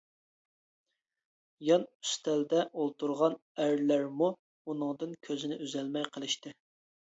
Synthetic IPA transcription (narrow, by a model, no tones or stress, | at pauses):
jɑnyst̪ʰæld̪ɛʔolˠt̪uɾʁɑnæɾlæɾmu | unɨŋd̪ɨnkʲʰøzɪnɪʔyzɛlmɛjqʰəlˠɨʃt̪ɨ